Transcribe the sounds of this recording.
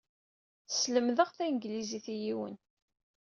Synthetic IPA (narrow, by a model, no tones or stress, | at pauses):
θsləmðəʁθæjnɡliziθijiwə̰n